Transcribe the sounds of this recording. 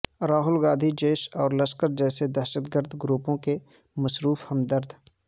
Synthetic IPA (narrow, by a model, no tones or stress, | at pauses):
ɾaːɦʊlɡaːd̪ʱid͡ʒeːʃɔːɾlɐskəɾd͡ʒɛːsed̪ɛːʃəd̪ɡəɾd̪ʱɡɾuːpõke | məsɾuːfhɐmd̪əɾd̪ʱ